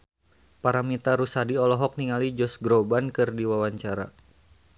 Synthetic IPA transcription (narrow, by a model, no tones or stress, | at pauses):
paɾamit̪aɾusadiɔlɔɦɔk̚niŋalid͡ʒɔsɡɾobankɨrdiwawaɲt͡ʃaɾa̰